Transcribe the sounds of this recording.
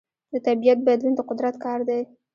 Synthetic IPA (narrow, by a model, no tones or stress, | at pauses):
d̪ət̪abijat̪̚bad̪lund̪əqʊd̪ɾat̪kɑɾd̪ej